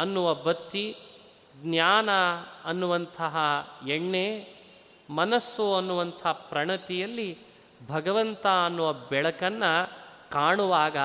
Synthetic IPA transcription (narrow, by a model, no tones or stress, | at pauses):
ɐnːuʋɐbɐt̪ːi | ɡnjaːnɐɐnːuʋɐnt̪ʰɐɦɐeɳːe | mɐnɐsːuɐnːuʋɐnt̪ʰɐpɾɐɳɐt̪ijɐlːi | bʱɐɡɐʋɐnt̪ɐɐnːuʋɐbɛɭɐkɐnːɐkaːɳuʋaːɡɐ